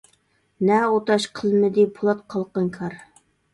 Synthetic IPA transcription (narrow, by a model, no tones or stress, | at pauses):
næot̪ɑʃqʰəlˠmɘd̪ipʰʊlˠɑt̪̚qʰɑlˠqɤŋkʰɑɾ